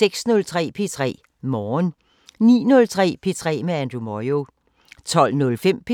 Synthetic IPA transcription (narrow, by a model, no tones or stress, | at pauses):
seɡ̥snɔ̽lt͡sʰʁɛ̰ːpʰe̝t͡sʰʁɛ̰ː | mɒːn | nḭːnɔ̽lt͡sʰʁɛ̰ːpʰe̝t͡sʰʁɛ̰ːmeænd̥ʁumɒjo̝ | t͡sʰɒ̽l̰nɔ̽lfem̰pʰe